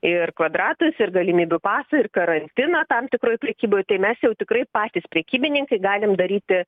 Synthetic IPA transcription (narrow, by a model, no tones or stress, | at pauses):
ɪrkʋɐd̪ɾɑːt̪ʊsɪrɡɐlʲɪmʲiːbʲʊpɑːsɐɪrkɐɾɐnʲt̪ʲɪnɐt̪ɐmt̪ʲɪkɾoːjpʲɾʲɛkʲiːboːjt̪ɐɪmʲɛsjɛʊt̪ʲɪkɾɐɪpɑːt̪ʲiːspʲɾʲɛkʲiːbʲɪnʲɪŋkɐɪɡɑːlʲɪmd̪ɐɾʲiːt̪ʲɪ